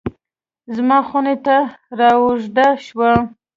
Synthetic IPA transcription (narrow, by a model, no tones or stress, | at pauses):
zmɑxunet̪aɾɑwʊʐd̪aʃwa